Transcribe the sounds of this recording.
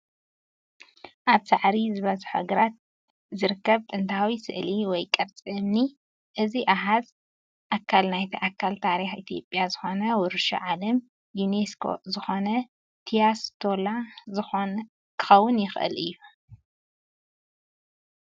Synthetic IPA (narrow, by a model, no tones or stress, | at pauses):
ʔaβsaʕɾizɨβɐzħoɡɨɾat̪̚ | zɨɾɨkːɐβt̪ʼɨnt̪ʰawisɨ̰ʔliwɔjkʼɐɾt͡sʼɨmni | ʔɨziʔaɦaz | ʔakʰːalnajt̪ʰiʔakʰːalt̪ʰaɾixit̪ʰijo̞pʼjazɨxo̞nɐwɔɾʃo̰ʕalɐm | juneskʰo̰zɨxo̞nɐ | t̪ʰijast̪ʰo̞lazɨxon | kʰɨ̥xɐwːʊnjɪxʔɨ̰lɨ̰jːu